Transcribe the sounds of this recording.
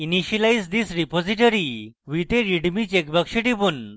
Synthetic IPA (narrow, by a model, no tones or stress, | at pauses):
iniɕilajd͡zd̪isɾipod͡ziʈəɾi | ʋit̪eɾiɖmit͡ɕekbəkʂiʈibun